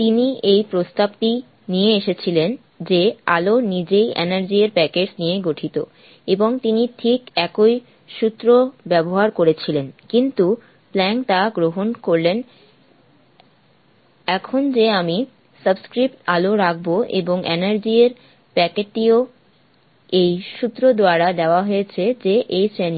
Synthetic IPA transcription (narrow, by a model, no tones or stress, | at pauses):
t̪iniejpɾost̪ab̚ti | nijeeʃet͡ɕʰilen | d͡ʑea̰lonid͡ʑejʔɛ̰naɾd͡ʑieɾpɛked͡ʑnijeɡoʈʰit̪o̰ | eboŋt̪iniʈʰikɛkoj | ʃut̪ːɾobɛboɦaɾkoɾet͡ɕʰilenkint̪u | plɛŋʈaɡɾoɦonkoɾlen | ɛkʰond͡ʑeami | səbskɾip̚ʈaloɾak̚ʰboḛboŋʔḛnaɾd͡ʑieɾ | pɛkeʈio | ejʃut̪ːɾod̪oaɾad̪ɛoaɦojet͡ɕʰed͡ʑeʔejsɾɛn